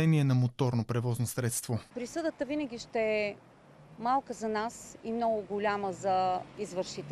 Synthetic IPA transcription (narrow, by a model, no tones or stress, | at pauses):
ɛniɛnɐmot̪ɔɾnopɾɛvɔznosɾɛt̪st̪vopɾisɤd̪ət̪əvinəɡʲiʃt̪ɛɛ | malˠkəzɐnasimnɔɡʊɡʊlʲaməzɐizvəɾʃit̪ɛ